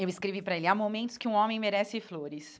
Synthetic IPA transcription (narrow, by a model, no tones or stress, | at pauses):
ewɪskɾevipɾɐelɪamomẽnt̪ʊ̥skɪũõmẽj̃meɾɛsɪfloɾɪs